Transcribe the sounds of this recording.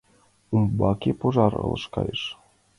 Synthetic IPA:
umbɑkʲepoʒɑɾɤ̰lˠɤʃkɑ̰jeʃ

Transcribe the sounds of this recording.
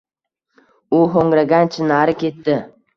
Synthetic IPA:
ʊɦoŋɾaɡʲant͡ʃʰɪnaɾɪkʲʰe̞t̪ːɪ

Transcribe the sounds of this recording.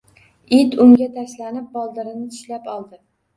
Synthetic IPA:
ɪt̪ʊŋɡʲat̪ʰaslanɪp̚bɒlˠd̪ɪɾɪnɪt̪ʰʊ̥ʃlapɒlˠd̪ɪ

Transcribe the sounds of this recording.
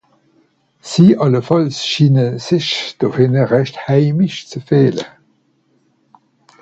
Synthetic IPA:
z̥iːʔɑləfɑlsʃiːnəzəʃd̥oːhɪnəʁæɕthæɪmɪʃt͡səfeːlə̰

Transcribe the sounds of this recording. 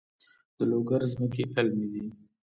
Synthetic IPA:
d̪̥əloɡaɾzməkeʔɪlmid̪i

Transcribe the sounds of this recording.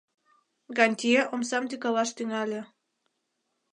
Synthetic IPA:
ɡɑnʲt̪ʲieʔomsɑmt̪ikɑlɑʃt̪yŋɑlʲe

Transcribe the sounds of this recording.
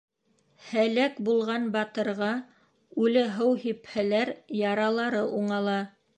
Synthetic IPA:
hælækbulˠʁɑnbɑt̪ɤ̆ɾʁɑ | ʉlɘɦɤwhiphælæɾjɑɾɑlˠɑɾɤʔuɴɑlˠɑ

